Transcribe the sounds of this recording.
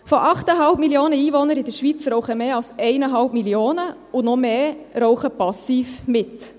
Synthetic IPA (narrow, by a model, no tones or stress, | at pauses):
fɔʔɑχtəɦɑlpmiljoːnəiːʋɔnəɾɪdəɾʃʋit͡sɾɔʊχəmeːɑlsɛɪnəɦɑlp̚miljoːnə | ʊnɔmeːɾɔʊχəpɑsiːfmɪt